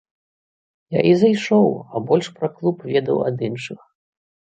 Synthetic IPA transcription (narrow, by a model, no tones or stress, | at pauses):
ja̰ʔizajʂɔwɐbɔlʲʂpɾɐklˠupvʲɛd̪ɐ̰wɐ̰d̪ɨnʂɨx